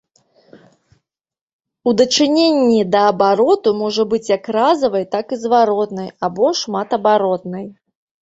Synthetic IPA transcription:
ud̪ɐt͡ʂɨnʲenʲːid̪ɐːbaɾɔt̪umɔʐɐbɨt͡sʲjakrazɐvɐjt̪akizvaɾɔt̪nɐjabɔʂmat̪ɐbaɾɔt̪nɨj

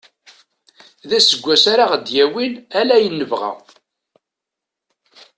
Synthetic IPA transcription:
ðæsəɡʷːæsaɾaʁd̪jæwinælæjənːəvʁæ̰

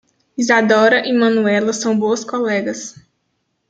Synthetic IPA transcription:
izad̪ɔɾɐʔimɐ̃nuɛlɐsɐ̃w̃boɐskolɛɡɐs

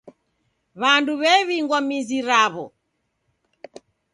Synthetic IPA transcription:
βanduβɛβiŋɡwamiziɾaβɔ̰

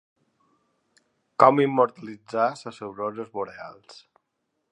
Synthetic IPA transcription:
kɔmimːuɾt̪əlid͡zasəsewzozəzmuɾea̰lˠs

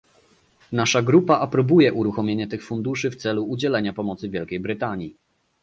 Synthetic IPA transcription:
naʂaɡɾupaʔapɾɔbujɛʔuɾuxɔmʲeɲɛt̪ɘxfund̪uʂɘft̪sɛluːd͡ʑɛlɛɲapɔmɔt̪sɘvʲjɛlkʲejbɾɘt̪aɲji

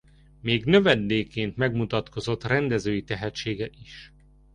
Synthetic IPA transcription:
meːɡnø̞vɛd̪ːeːkːeːnt̪mɛɡmut̪ɒt̪ko̞zo̞t̪rɛnd̪ɛzøːjit̪ɛɦɛtt͡ʃeːɡɛʔiʃ

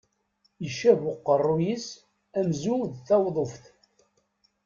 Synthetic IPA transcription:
iʃævʊqːərˤːujis | æmzuðθæwðˤofθ

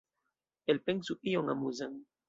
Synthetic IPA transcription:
elpeŋsuʔioŋamuzaŋ

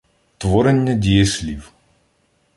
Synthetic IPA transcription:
t̪ʋɔɾɛnʲːɐdʲijɛsʲlʲiw

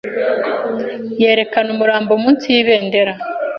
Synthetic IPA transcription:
je̞ːɾe̞kanumuɾaːmbomuːnsijiβe̞ːnde̞ɾa

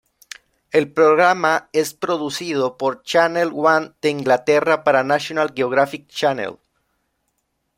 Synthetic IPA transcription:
e̞lpɾo̞ɣɾamae̞spɾo̞ðusiðo̞po̞ɾt͡ʃanelɣwand̪̥eiŋɡlat̪e̞rapaɾanasjo̞nalɣeoɣ̞ɾafik̚t͡ʃanḛl

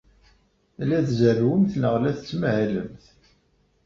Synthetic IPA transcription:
læðzərwəmθnəʁlæθət͡sːməhælə̰mθ

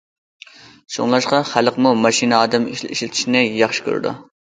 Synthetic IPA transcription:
ʃo̰ŋlˠɑʃqɑχæləqmumɑʃinɑːd̪ɛmiʃlɪt̪ʰɪ̥ʃnɪjɑχʃɪ̥kʲʰø̰ɾɪ̰d̪ṵ

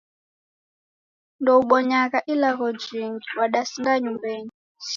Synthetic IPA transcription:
ndɔuɓɔɲakaʔilaɣɔd͡ʒiŋiwaɗasiŋɡaɲumbeːɲi

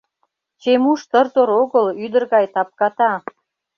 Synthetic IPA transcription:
t͡ɕemuʃt̪ə̆rt̪oɾoɣəlyd̪ə̆rɣɑjt̪ɑp̚kɑt̪ɑ

